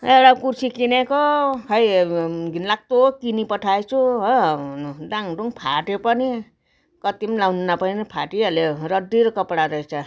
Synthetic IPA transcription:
ewɽakursʰikinekoɦʌjɡʱinlak̚t̪okinipʌʈʰajt͡sʰuɦ | daŋɖuŋpʰaʈepʌni | kʌt̪imlawnunapʌninipʰaʈialeɾʌd̪iɾʌkʌpɽaɾʌet͡sʰʌ

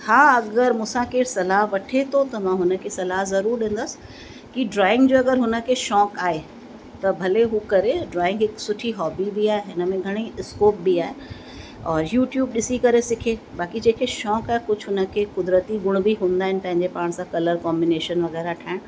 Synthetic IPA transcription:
hãːɐɡəɾmʊ̃ːsãkesɐlaːɦʋɐʈʰet̪ʰot̪ɐmãɦʊnə̆kʰesɐlaːɦzɐɾuːɾɗẽːn̆d̪əs | kiɖɾaːɪ̃ŋɡd͡ʑoːɐɡəɾɦʊnə̆kʰeʃɔːkaːɦe | t̪ɐbʱɐleɦukɐɾeɖɾaːɪ̃ŋɡɦɪksʊʈʰiɦɔːbibʱiaːɦeɦɪnəmẽɡʱɐɽ̃iskoːp̚bʱiaːɦe | ɔːɾjuːʈjuːb̚ɗɪsikɐɾesɪkʰe | baːkid͡ʑeːkʰeʃɔːkaːɦekʊd͡ʑʱʰɦʊnə̆kʰekʊd̪ɾət̪iɡʊɽ̃̆bʱiɦũːnd̪aːɦɪnɪ̆pɐ̃ɦɪ̃ɲd͡ʑepaːɽ̃sãkɐləɾkɔ̃ːmbɪneːʃənʋɐɣɛːɾaʈʰaːɪɽ̃

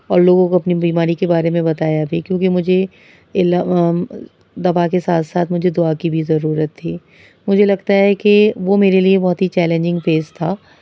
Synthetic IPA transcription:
ɔːɾloːɡõkoɐpnibiːmaːɾikebaːɾemẽbɐt̪aːjabʱiːkjõːkimʊd͡ʒʱe | ɪla | d̪ɐfakesaːt̪ʰsaːt̪ʰmʊd͡ʒʱed̪ʊakibʱizɐɾuːɾət̪ʰːiː | mʊd͡ʒʱelɐɡt̪aɦɛkeʋomeːɾeliebɔɦt̪ɦit͡ʃɛːlẽːɲd͡ʒɪ̃ŋɡfeːzt̪ʰaː

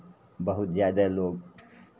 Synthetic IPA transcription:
bɐɦʊt̪zjaːd̪aloːɡ

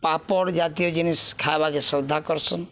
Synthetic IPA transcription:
papɔɽd͡ʒat̪ijɔd͡ʒiniskʰabakesɔd̪ʱakɔɾsʰɔn

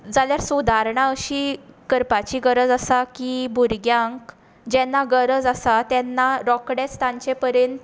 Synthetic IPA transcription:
d͡zaljaɾsud̪ʱaɾɳaəɕiːkəɾpat͡ɕiːɡəɾəd͡zasakibʱuɾɡjãŋk | d͡ʑɛnːaɡəɾəd͡zasat̪ɛnːaɾɔkɽest̪ãɲt͡ɕepəɾent̪

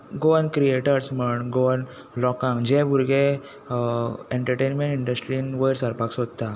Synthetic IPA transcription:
ɡoənkɾieʈəɾsməɳɡoən | lɔkãŋd͡ʑẽbʱuɾɡe | eɳʈəɾʈenmeɳʈiɳɖəsʈɾinʋəjɾsəɾpaksod̪̚t̪a

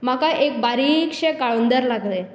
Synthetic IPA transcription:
m̤akaʔek̚baɾikʂekaɭond̪əɾlaɡle

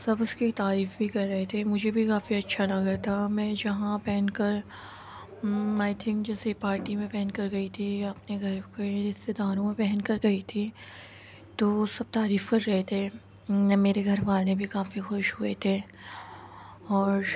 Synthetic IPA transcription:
sɐbʊskit̪aːɾiːfbʱikɐɾːɐɦet̪ʰemʊd͡ʒʱebʱikaːfiɐtːʃʰalɐɡat̪ʰamɛ̃d͡ʒɐɦãpɛɦnkɐɾ | aːɪt̪ʰɪ̃ŋkd͡ʒɛːsepaːɾʈimẽpɛɦɛnkɐɾɡɐit̪ʰiɐpneɡʱɐɾkeɪst̪ed̪aːɾõmẽpɛɦɛnkɐɾɡɐit̪ʰi | t̪osɐb̚t̪aːɾiːfkɐɾːɐɦet̪ʰe | meːɾeɡʱɐɾʋaːlẽbʱikaːfixʊʃɦʊet̪ʰe | ɔːɾ

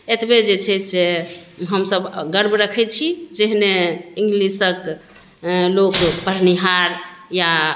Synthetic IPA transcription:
et̪bed͡ʒet͡ʃʰɛseɦəmsəbɡəɾbʱɾəkʰɛt͡ʃʰid͡ʒeɦneiŋɡlisək | lokpəɾniɦaɾja

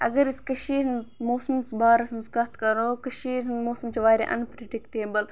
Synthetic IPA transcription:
ʔɐ̰ɡɐɾiskɐʃiːɾnmoːsɐmsbaːɾɐsmskɐt̪ʰkɐɾoːkɐʃiːɾnmoːsɐmt͡ʃʰiʋaːɾḛʔɐ̰npɾeɖikʈeːbɐl

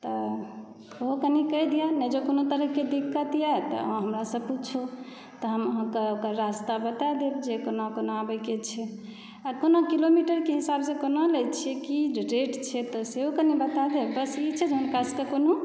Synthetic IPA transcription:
t̪ɔ | oɦokənikəjd̪ijanɛd͡ʒekonot̪əɾəɦked̪ikːət̪ijat̪ɔ̰aɦəmɾasəb̚put͡ʃʰu | t̪ɔɦəmɦəkəokəɾɾast̪abət̪ad̪ebd͡ʒekonakonoabəket͡ʃʰɛ | akonokilomiʈəɾkeɦisabsẽkonolət͡ʃʰiekiɾeʈt͡ʃʰɛt̪ɔseɦokənibət̪ad̪ebəsit͡ʃʰɛd͡ʒonkaskekono

